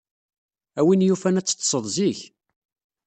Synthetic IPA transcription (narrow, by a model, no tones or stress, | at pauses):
æwinjufænæt͡sːə̥t̪ːsˤəðˤziç